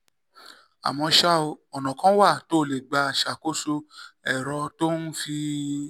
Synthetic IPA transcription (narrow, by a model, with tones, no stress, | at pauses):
a̰˨mɔ̃˧ʃa˦o˧ɔ˨nã˨kã˦wa˦˨to˨˦˨le˨ɡ͡ba˨˧˨ʃa˨ko˦so˧ɛ˨ɾɔ˧to˦n̩˦fi˧